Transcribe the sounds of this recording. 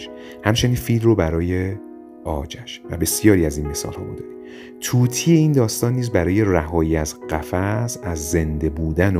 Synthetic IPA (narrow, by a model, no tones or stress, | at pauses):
ʃ | hæmt͡ʃʰe̞niːnfiːlrobæɾɒːje | ʔɒ̰ːd͡ʒæʃvæ̰be̞sijɒːɾiæzinme̞sɒ̰ːlhɒ̰ːmud̪ɒːd̪i | t̪ʰuːt̪ʰiːeiːnd̪ɒːst̪ɒːnːiːzbæɾɒːje̞ræɦɒːjiːæzɢæfæzæzːe̞nd̪e̞buːd̪æn